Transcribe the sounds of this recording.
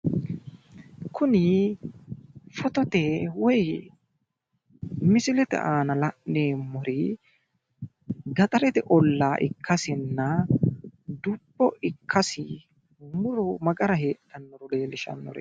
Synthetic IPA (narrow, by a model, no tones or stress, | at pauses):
kʰʊnɪ | fɔt̪ɔt̪ɛwɔj | mɪsɪlɛt̪ɛ̰ʔaːnɐlɐʔneːmʊɾɪ | ɡɐt̪ʼɐɾɛt̪ɛʔɔlːaːʔɪ̰kʰːɐsɪnːɐ | d̪ʊbːɔʔɪkʰːɐsɪ | mʊɾɔmɐɡɐɾɐɦe̞ːt̪ːɐnːɔɾɔle̞ːlɪʃɐ̰nːɔ̰ɾɛ̰